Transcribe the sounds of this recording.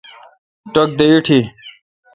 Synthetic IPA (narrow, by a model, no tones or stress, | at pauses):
ʈok̚d̪eiʈʰi